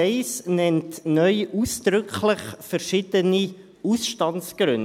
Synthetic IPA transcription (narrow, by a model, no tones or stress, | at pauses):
ɛɪsnɛntnœʏʔuːsd̪̥ɾʏkʰlɪχfɛɾʃɪd̥əni | usʃtɑnsɡ̥ɾʏn